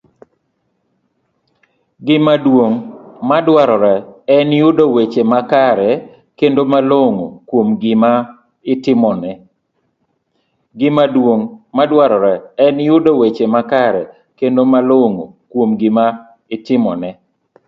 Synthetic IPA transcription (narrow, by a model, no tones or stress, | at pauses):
ɡɪmadwoŋmadwaɾɔɾɛɛnjʊdowet͡ʃemakaɾɛ | kendomaloŋokwomɡɪma | ɪtɪmɔnɛ | ɡɪmadwoŋmadwaɾɔɾɛɛnjʊdowet͡ʃemakaɾɛ | kendomaloŋokwomɡɪma | ɪtɪmɔnɛ